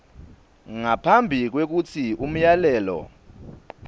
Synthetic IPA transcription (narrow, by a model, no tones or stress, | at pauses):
ŋapʰambʱik̬wek̬ut͡sʰium̩jalɛːlɔ̰